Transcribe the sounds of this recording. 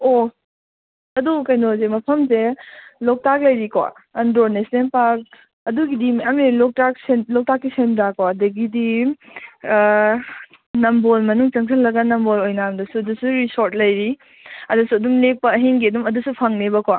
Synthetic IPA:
o | ɐdukɐjnozemɐpʰɐmselɔk̚tak̚lɐjɾikʰwa̰ɐndɾonesnepak̚ | ɐduɡidimjamilɔk̚tak̚senlɔk̚takːisendakoɐdɐɡidi | nɐmbolmɐnuŋt͡ʃɐŋsʰɐllɐɡɐnɐmbolojnaɐmdɐsuɐdusuɾisoɾt̚lɐjɾi | ɐdusuɐdumlek̚pɐɐɦeŋɡidumɐdusupʰɐŋnebɐkwa

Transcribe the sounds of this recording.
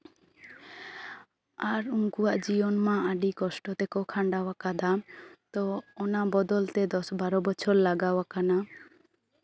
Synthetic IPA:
aɾuŋkuwaʔd͡ʒibɔnmãaɖikɔsʈɔt̪ɛkɔkʰaɳɖawakad̪amt̪ɔːnabɔd̪ɔlt̪ɛd̪ɔsbaɾɔbɔt͡ʃʰɔɾlaɡawakana

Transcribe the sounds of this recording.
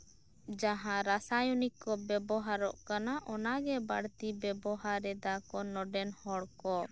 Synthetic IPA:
d͡ʒaɦãɾasajunikːɔbɛbɔɦaɾɔ̰ʔkanaʔɔnaɡɛbaɽt̪ibɛbɔɦaɾɛd̪akɔnɔɖɛnhɔɽkɔ

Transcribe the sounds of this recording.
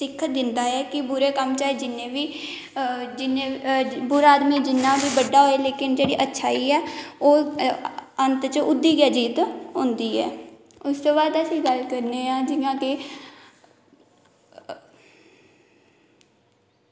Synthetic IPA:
sɪkʰːət̪̚d̪ɪnd̪aːɛːkɪbʊɾeːkəmt͡ʃaːed͡ʒɪnːẽːʋiː | d͡ʒɪnẽːbʊɾaːd̪miːd͡ʒɪnːaːbiːbəɖaːɦoːeːleːkɪnd͡ʒeːɽiːʔətːʃʰaːiːɛːoː | ənt̪t͡ʃəʔʊd̪ːiːɡaːd͡ʒiːt̪ɦõːnd̪iːɛ̰ː | ʊst̪oːbaːd̪əsĩːɡəlkəɾneːãːd͡ʒɪnãːke

